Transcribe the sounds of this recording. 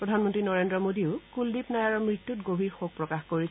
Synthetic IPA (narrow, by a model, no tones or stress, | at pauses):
ɹɔdʱanmɔntɹinɔɹendɹɔmodiʊkuldipnajaɹɔmɹitːutɡobʱiɹxoɡ̚pɹɔkaxkoɹis